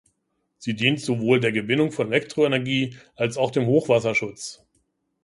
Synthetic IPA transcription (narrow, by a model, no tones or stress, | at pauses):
z̥iːdiːntz̥ovoːldeːɐɡəvɪnʊŋfɔnelɛktʁ̥oenɛɐɡiːʔalsaʊxd̥eːmhoːxv̥asɐʃʊt͡s